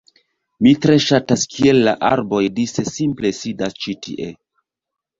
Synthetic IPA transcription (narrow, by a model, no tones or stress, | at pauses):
mitɾe̞ʃataskʰie̞lːa̰ʔa̰ɾbo̞jdise̞simple̞sidast͡ʃitʰḭʔe